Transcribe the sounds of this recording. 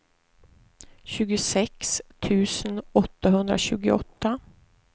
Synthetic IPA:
ɕʉ̟ːɡʊsɛkst̪ʰʉ̟ːsənɔt̪ːaɦɵnd̪ɾaɕʉ̟ːɡɪɔt̪ːa

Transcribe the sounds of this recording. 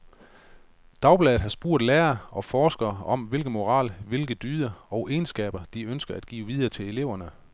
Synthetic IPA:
d̥ɑ̈ʊb̥lɛðð̩ˠɦhɑ̈sb̥ṵɐ̰d̥læːɐʔɒ̽fɒːsɡ̥ɐɒ̽mʋe̝lɡ̥ð̩ˠmo̝ʁɑ̰̈ːlʋe̝lɡ̥ð̩ˠd̥yːðˠɐɒ̽ʊʔe̝ːnsɡ̥ɛ̰ːb̥ɐd̥iønsɡ̥ɐæd̥ɡ̥ḭːʋið̞ˠɐːt͡sʰe̝le̝le̝ʊ̰ɐnə

